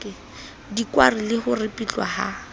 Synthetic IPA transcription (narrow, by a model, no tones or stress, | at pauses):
ɪ | dikwarilɪhʊrɪpʼit͡ɬwa̰ha̰